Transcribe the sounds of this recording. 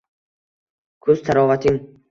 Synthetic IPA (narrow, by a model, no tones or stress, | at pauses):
kʰɵzt̪ʰaɾɒːvat̪ʰɪŋ